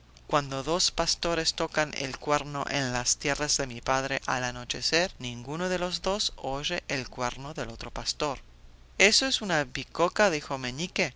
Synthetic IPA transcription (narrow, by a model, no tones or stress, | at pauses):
kwand̪oðo̞spast̪o̞ɾe̞st̪o̞kanḛlkweɾno̰ʔenlast̪je̞razðe̞mipaðɾeʔa̰lano̞t͡ʃeseɾnĩŋɡunoðe̞lo̞zðo̞soʒeʔelkweɾnoðelo̞t̪ɾo̞past̪o̞ɾ | esoesunaβikokaðixomenike